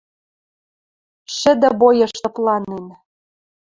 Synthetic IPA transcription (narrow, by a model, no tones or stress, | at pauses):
ʃɘ̆d̪ɘ̆bojɤ̆ʃt̪ɤ̆plˠɑnen